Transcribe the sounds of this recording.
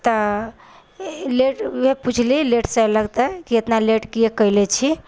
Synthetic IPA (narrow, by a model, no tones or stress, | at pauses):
t̪ɔ | leʈbeput͡ʃʰlileʈseləɡt̪əkiət̪naleʈkijekəjlet͡ʃʰi